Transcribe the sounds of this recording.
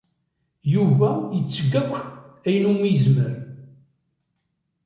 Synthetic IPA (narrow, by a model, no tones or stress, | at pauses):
juvæjət͡sːəɡːækʷːæjənumiəzməɾ